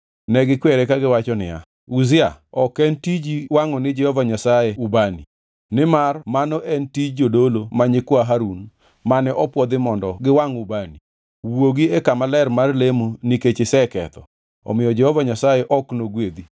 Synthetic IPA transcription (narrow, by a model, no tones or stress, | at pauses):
nɛɡɪkwɛɾɛkaɡɪwat͡ʃɔnɪ̰ja̰ | uzɪaɔkɛntid͡ʒiwaŋɔnɪd͡ʒɛhɔvaɲasajeubanḭ | nɪmarmanɔʔɛntid͡ʒd͡ʒodolomaɲɪkwaɦaɾun | manɛʔɔpwɔd̪ɪmɔndɔɡɪwaŋʊbani | woɡiɛkamalɛrmarlemoniket͡ʃɪsɛkɛt̪ɔ̰ | ɔ̰mɪjɔd͡ʒɛhɔvaɲasajɛʔɔknoɡwed̪i